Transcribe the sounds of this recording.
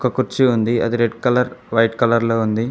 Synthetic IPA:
kɐkuɾt͡ʃiund̪iɐ̰d̪iɾeɖkɐlɐɾʋɐjʈkɐlɐɾloːund̪i

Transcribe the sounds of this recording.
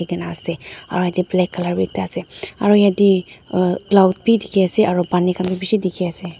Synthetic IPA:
iɡanaːsɛa̰ɹɔjadiblɛkːalaɹbitːaasɛaɹɔjadi | klawt̚bidikʰiasɛʔaɹɔbanikambibisidikʰiasɛ

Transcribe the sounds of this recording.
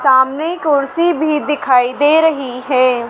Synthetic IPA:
saːmnekʊɾsibʱid̪ɪkʰaːid̪eːɾɐɦiɦɛː

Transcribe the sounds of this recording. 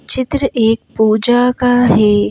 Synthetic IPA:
t͡ʃɪt̪ɾəʔeːk̚puːd͡ʒakaɦeː

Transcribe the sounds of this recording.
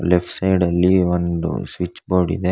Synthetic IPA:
lepʰʈsɐjɖɐlːiond̪ṵsʋit͡ʃːboːɽḭd̪e

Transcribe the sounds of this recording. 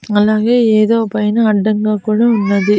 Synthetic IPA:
nɐlaːɣeeːðoːpɐjɐnɯɐɖːɐŋɡɐkːʊɻɐʊnːɐðɯ

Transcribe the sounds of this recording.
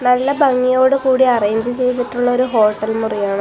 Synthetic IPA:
nɐlːɐbɐŋːijo̞ːɽɨkuːɽiɐrejɲd͡ʑɨt͡ɕe̞jt̪iʈːuɭːɐoɾuɦo̞ːʈːɐlmurijaːɳɨ

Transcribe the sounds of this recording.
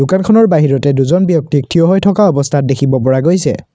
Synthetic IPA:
dʊkankʰɔnɔɹbaɦiɹɔtɛduzɔnbjɔk̚tik̚tʰijɔɦojtʰɔkaɔbɔstʰat̚dekʰibɔpɔɹaɡojsɛ̰

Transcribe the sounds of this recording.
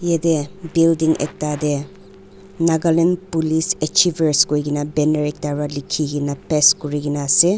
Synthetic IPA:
jedebildiŋʔḛk̚tade | naɡalenpulisek̚t͡ʃibɐɾskojɡinabeneɾik̚taɾalikʰːiɡinapeskɔɾiɡinase

